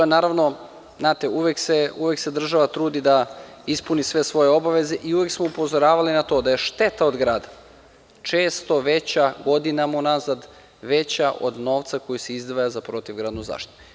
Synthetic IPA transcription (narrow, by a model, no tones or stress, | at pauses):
naːɾaʋno̞ | znaːt̪euʋekseuʋekse̞d̪r̩ʒaʋat̪ɾuːd̪id̪a | ispunisʋe̞sʋo̞je̞o̞baʋe̞ze̞ʔiuʋeksmoupo̞zo̞ɾaːʋalinat̪o̞d̪aje̞ʃt̪e̞t̪aod̪ɡɾaːd̪a | t͡ʃeːst̪o̞ʋet͡ɕaɡo̞d̪inamaunazad̪ | ʋet͡ɕaʔo̰d̪no̞ːʋt̪sako̞jiseizd̪ʋajazapɾo̞t̪iʋɡɾaːd̪nuza̰ːʃt̪it̪u̥